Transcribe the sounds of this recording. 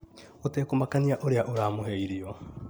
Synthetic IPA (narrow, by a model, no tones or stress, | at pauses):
otekomakaniaʔoɾeaʔoɾaːmoɦeiɾiɔ